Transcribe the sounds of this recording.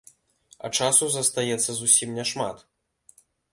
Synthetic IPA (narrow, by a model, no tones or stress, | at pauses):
ɐ̰t͡ʂasuzɐst̪ajɛt̪sːɐzusʲimnʲɛʂma̰t̪